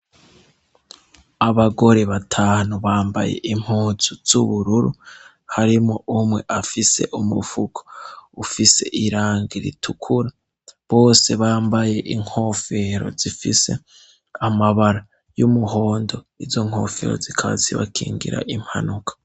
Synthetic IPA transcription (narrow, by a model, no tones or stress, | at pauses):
aβaɡo̞ɾe̞βatʰaːnuβaːmba̰je̞̰ʔim̥huːzuz̥uβuɾuɾu | haɾimŋoʔumŋe̞ʔafise̞̰ʔumufukʰo̥ufise̞̰ʔiɾaːŋɡiɾḭtʰukʰuɾa | βo̞ːse̞βaːmbaje̞ʔiŋ̥ho̞ːfe̞ɾo̞̰zifḭse̞̰ | amaβaɾa | jumuho̞ːndo̞ | izo̞ŋ̥ho̞̰ːfe̞̰ɾozikʰaβa̰ziβa̰kʰḭːŋɡḭɾa̰ʔim̥ha̰nukʰḁ